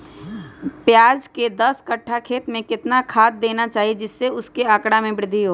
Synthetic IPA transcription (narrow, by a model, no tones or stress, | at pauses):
pjaːd͡ʒked̪ɐskɐʈʰːakʰeːt̪mẽkɪt̪nakʰaːt̪̚d̪eːnat͡ʃaːɦied͡ʒɪsːeʊskeaːkɽamẽbɪɾɪd̪ʱːiɦoː